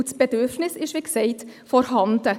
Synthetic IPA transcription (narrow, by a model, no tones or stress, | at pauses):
tsb̥ɛdøfnɪsɪʃʋiːksɛɪt | fɔɾɦɑnd̪̥ə